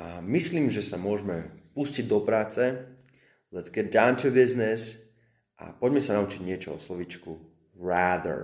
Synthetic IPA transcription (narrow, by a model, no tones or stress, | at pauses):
ʔamisliːmʒɛsamʊɔʒmɛpusciɟd̪ɔpɾaːt͡sɛ | lɛzɡɛdaʊnt̪ubiznɛs | ʔa̰pɔɟmɛsanaut͡ʃiɟɲɪɛt͡ʃɔɔ̰slɔʋiːt͡ʃku | ɾaːd̪ə̰ɹ